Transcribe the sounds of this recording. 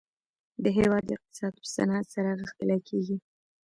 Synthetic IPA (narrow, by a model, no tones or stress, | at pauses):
d̪əɦewɑd̪ːəɪq̚t̪ɪ̥sɑd̪̚pə̥sa̰nat̪saɾaɣəxt̪əlakʰeɡi